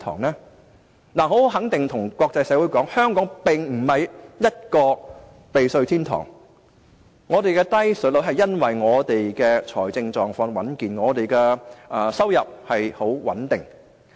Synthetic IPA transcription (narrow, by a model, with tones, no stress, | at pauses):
t̪ʰɔ̰ː˨˩ŋnɛː˥ | naː˨˩ho˨˥whwɦɐ˨˥ŋt̪ɪ˨ŋt̪ʰʊ˨˩ŋkʷɔː˧k̚t͡sɐ˧jsɛː˨˧˥wuː˨˥jkɔː˨˥ŋhœː˥ŋkɔː˨˥ŋpɪ˨ŋm̩˨˩hɐ˨jjɐ˥t̚kɔː˧ | pe˨jsɵ˧ɥt̪ʰiː˥nt̪ʰɔ̰ː˨˩ŋ | ɔː˨˧t̪e˨jkɛ˧t̪ɐ˥jsɵ˨˥lo˨˥wɦɐ˨jːɐ˥nwɐ˨jŋɔː˨˧t̪e˨jkɛː˧t͡ʃʰɔ̰ː˨˩jt͡sɪ˧ŋt͡sɔː˨ŋfɔː˨˧ŋwɐ˨˥nkiː˨nŋɔː˨˧t̪e˨jkɛː˧ʔɐː˨sɐ˥wjɐ˨p̚hɐ˨jho˨˥wwɐ̰˨˥nt̪ɪ˨˩ŋ